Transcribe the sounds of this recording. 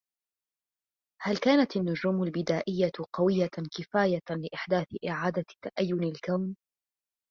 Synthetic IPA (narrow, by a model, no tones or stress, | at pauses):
halkaːnat̪anːʊd͡ʒuːmʊlbɪd̪aːʔɪjːaqɑwɪjːakɪfaːjalɪʔɪħd̪aːθʔɪʕaːd̪at̪ːaʔajːʊnɪlkawn